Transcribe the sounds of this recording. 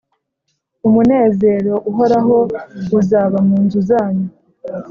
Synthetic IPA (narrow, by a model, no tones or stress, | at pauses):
umune̞ːze̞ɾo̞ʔuɦo̞ɾaɦo̞uzaːβamuːnzuzaːɲu